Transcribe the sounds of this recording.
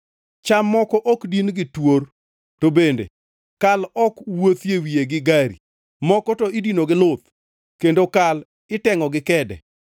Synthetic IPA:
t͡ʃamːɔkɔʔɔkdinɡɪtwor | tobendḛ | kalɔkwot̪jewijeɡɪɡaɾḭ | mɔkɔtɔɪdinoɡɪlot̪ | kendokal | ɪtɛŋɔɡɪkɛdɛ̰

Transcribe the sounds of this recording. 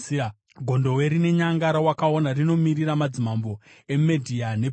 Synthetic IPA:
ɡʱo̞ndo̞we̞ɾine̞ɲaŋɡaɾawakao̞narino̞miriɾamad͡zimambo̞e̞medʱiane̞

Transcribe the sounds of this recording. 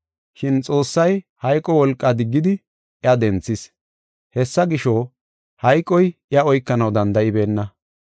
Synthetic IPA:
ʃɪnt͡sʼo̞ːsːɐjhɐjkʼɔwɔlkʼːad̪ɪɡːɪd̪ɪ | jɐd̪ɛnt͡sːɪs | hɛsːɐɡɪʃoː | hɐjkʼːɔjɪɐɔjkːɐnɐwd̪ɐnd̪ɐʔɪbe̞ːnːɐ

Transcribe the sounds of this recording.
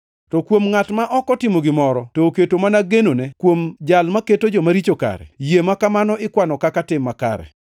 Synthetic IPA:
tɔkwomŋatmaʔɔkɔtɪmoɡɪmɔɾɔtoːketomanaɡenonɛkwomd͡ʒalmaketod͡ʒɔmaɾit͡ʃoka̰ɾɛ̰jemakamanɔʔɪkwanɔkakatɪmːaka̰ɾɛ̰

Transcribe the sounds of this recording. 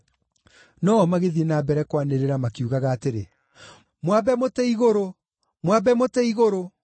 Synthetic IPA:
nɔɔmaɣeðienaːbɛɾɛkwaneɾeɾamakiuɣaɣaːteɾḛ | mwabɛmotɛiɣoɾo | mwabɛmotɛiɣoɾo

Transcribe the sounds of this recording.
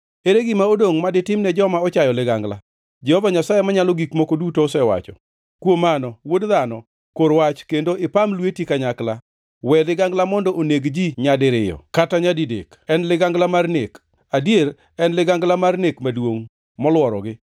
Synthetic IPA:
eɾeɡɪmaodoŋmadɪtɪmnɛd͡ʒɔmaɔt͡ʃajɔlɪɡaŋɡla̰ | d͡ʒɛhɔvaɲasajemaɲalɔɡikmokodutoːsɛwa̰t͡ʃɔ̰ | kwomanɔwodðanɔ | koɾwat͡ʃkendoɪpamlwetjikaɲakla | wɛlɪɡaŋɡlamɔndɔʔoneɡd͡ʒiɲadɪɾɪjɔ̰kataɲadidḛk | ɛnlɪɡaŋɡlamarnek | adjeɾ | ɛnlɪɡaŋɡlamarnekmadwoŋ | mɔlwɔɾɔ̰ɡɪ

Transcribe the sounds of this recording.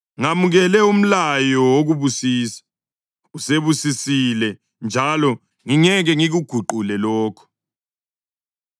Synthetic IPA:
ŋamuɣɛlɛum̩lajɔwoɣuβusiːsḁ | useβusisilɛ | nd͡ʒʱalɔ | ŋiŋɛɣɛŋiɣuɡ̥ʱuǃulɛlɔːkʰɔ̥

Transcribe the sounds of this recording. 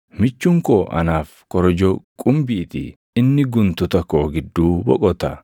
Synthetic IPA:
mɪt͡ʃːʊŋkoːʔɐ̰naːf | kɔɾɔd͡ʒɔkʼʊmbiːt̪ɪ̰ | ɪnːɪɡʊnt̪ʊt̪ɐkːoːɡɪd̪ːuːbɔ̰kʼɔt̪ɐ

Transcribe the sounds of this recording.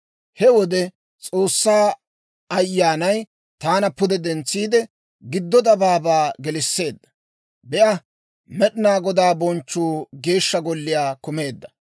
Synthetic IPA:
hɛwɔd̪ɛ | t͡sʼoːsːaː | ɐjːaːnɐj | t̪aːnɐpʊd̪ɛd̪ɛnt͡sːiːd̪ɛ | ɡɪd̪ːɔd̪ɐbaːbaːɡɛlɪsːe̞ːd̪ːɐ̥ | bɛʔɐ | mɛɗɪnaːɡɔd̪aːbɔnt͡ʃːuːɡe̞ːʃːɐɡɔlːɪjaːkʊme̞ːd̪ːɐ̥

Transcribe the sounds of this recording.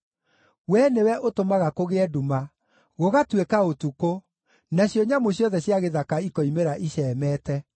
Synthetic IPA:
wɛnewɛʔotomaɣakoɣeɛduma | ɣoɣatwekaotuko | naɕjɔɲamoɕjɔðɛɕjaɣeðakaikɔimeɾaʔiɕɛːmɛtɛ

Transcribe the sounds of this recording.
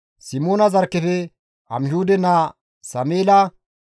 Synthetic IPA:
sɪmoːnɐzɐɾkːɛfɛ | ɐ̰mhuːd̪ɛna | sɐmeːlɐ

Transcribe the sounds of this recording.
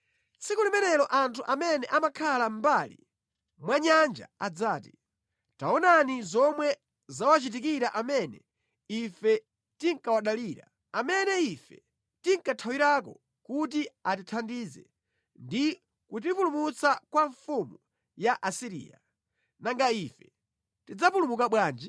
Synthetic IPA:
t͡sikulimɛnɛlɔʔantʰuʔamɛnɛʔamakʰalam̩balḭ | mwaɲand͡ʒa̰ad͡zaːti | taɔnanizɔmwɛ | zawat͡ʃit̬ikiɾaʔamɛnɛ | ifɛ | tiŋkawaɗaliːɾa | amɛnɛifɛ̰ | tiŋkatʰawiɾak̬ɔ̰ | kut̬iat̬itʰandizɛ̰ | ndi | kut̬ipulumut͡sakwaɱfumu | jaʔasiɾḭːja̰ | naŋɡaifɛ̥ | tid͡zapulumukaɓwaːnd͡ʒi

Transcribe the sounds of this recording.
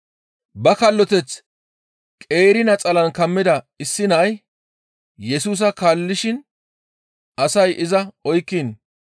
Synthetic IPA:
bɐkɐlːɔt̪ɛt͡s | kʼe̞ːɾɪnɐt͡sʼɐlɐnkɐmːɪd̪ɐ | ɪsːɪnɐʔɐj | jɛsuːs̬ɐkalːɪʃɪn | ʔɐsɐjʔɪzɐɔjkːɪn

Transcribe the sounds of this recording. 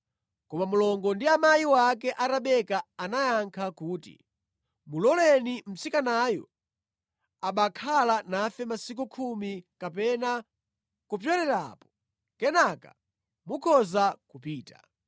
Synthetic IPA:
kɔmamulɔŋɡɔndiamajiwak̬ɛʔataɓɛkaanajaŋkʰakuːtḭ | mulɔlɛnim̩sikanaːjɔ̰ | aɓakʰalanafɛmasik̬ukʰumikap̬ɛna | kup̬jɔɾɛɾa̰ːpɔ̥ | kɛnaka̰ | mukʰɔzakupiːta̰

